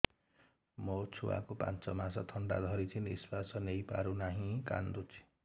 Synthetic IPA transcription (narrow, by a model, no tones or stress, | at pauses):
mʌt͡sʰuwa̰kopã̰nt͡sʌmasʌt̪ʰʌɳɖa̰d̪ʱʌɾit͡sʰiniswasʌnejpaɾunaɦĩka̰nd̪ut͡sʰi̥